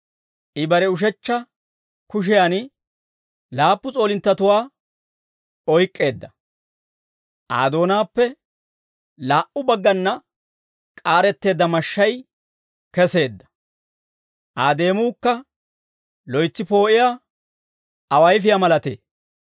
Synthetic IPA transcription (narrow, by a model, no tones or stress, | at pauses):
ʔɪbɐɾɛʊʃ̬ɛt͡ʃːɐ | kʊʃ̬ɪjan | laːpːʊt͡sʼo̞ːlɪnt̪ːɐt̪ʊwaː | ɔjkʼːe̞ːd̪ːɐ | ʔa̰ːd̪o̞ːnaːpːɛ | laːʔʊbɐɡːɐnːɐ | kʼaːɾɛt̪ːe̞ːd̪ːɐmɐʃːɐj | kɛse̞ːd̪ːɐ̥ | ʔaːd̪e̞ːmʊːkːɐ | lɔjt͡sːɪpo̞ːʔɪja | ɐwɐjfɪjamɐlɐt̪ḛː